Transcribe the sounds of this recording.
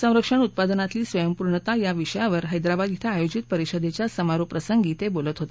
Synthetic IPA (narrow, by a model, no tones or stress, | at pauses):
sə̃w̃ɾəkʂəɳut̪̚pad̪nat̪liːsʋəjəmpuɾɳət̪ajaʋiʂəjaʋəɾɦəjd̪ɾabad̪it̪ʰaajod͡ʑit̪̚pəɾiɕəd̪et͡ɕjasəmaɾopɾəsəŋɡiːt̪ebolət̪ɦot̪e̥